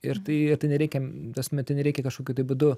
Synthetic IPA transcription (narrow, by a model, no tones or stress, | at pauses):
ɪɾt̪ɐɪɪrt̪ɐɪnʲɛɾʲɛɪkʲɛt̪ɐsmʲɛt̪ɪnʲɛɾʲɛɪkʲɛkɐʃkoːkʲʊt̪ɐɪbʊd̪ʊ